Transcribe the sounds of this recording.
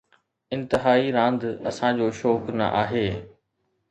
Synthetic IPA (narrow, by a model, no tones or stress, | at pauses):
ɪ̃nt̪ɪɦaːiɾãːnd̪ɐsãd͡ʑoːʃɔːknɐ̰ʔaːɦeː